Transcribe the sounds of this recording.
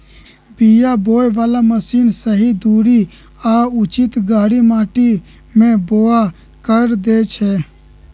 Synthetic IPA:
bijaboːjʋaːlaməsiːnsəɦid̪uːɾi | aːʊt͡ʃɪt̪ɡaːɽimaːʈi | mẽboːa | kəɾd̪eːt͡ʃʰɛː

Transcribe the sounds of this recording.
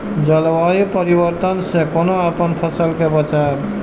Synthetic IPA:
d͡ʒəlʋajupəɾibəɾt̪ənsẽkonoapənpʰəsəlkebət͡ʃab

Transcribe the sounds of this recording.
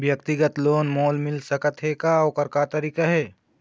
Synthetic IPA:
bjəkt̪ɪɡət̪loːnmoːlmɪlsəkət̪ɦeːkaɔːkəɾkat̪ɐɾiːkaɦɛː

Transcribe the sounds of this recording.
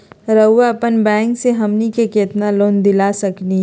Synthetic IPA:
ɾəːapənbɛ̃ːŋkseɦɐmnikekeːt̪naloːnd̪ɪlasɐkni

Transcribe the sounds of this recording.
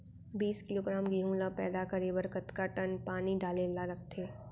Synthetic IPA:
biːskɪloːɡɾaːmɡiɦũːlapɛːd̪akəɾewɐɾkət̪kaʈənpaːniɖaːlelaɾɐk̚ʰt̪ʰeː

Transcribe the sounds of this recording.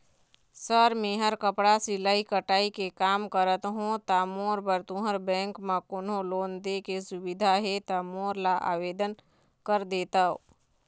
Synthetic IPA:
səɾmẽːɦəɾkəpɽasɪlaːikəʈaːikekaːmkəɾət̪ɦõt̪amoːɾbəɾt̪ũɦəɾbɛ̃ːŋkmãkʊnõloːnd̪ekesʊbɪd̪ʱaɦet̪amoːɾlaʔa̰ːʋeːd̪ən | kəɾd̪eːt̪aɦo̰ː

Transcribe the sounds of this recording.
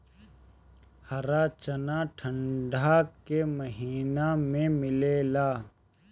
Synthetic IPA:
hɐɾat͡ʃənaʈʰə̃ɳɖʱakeməɦiːnamẽmɪleːlaː

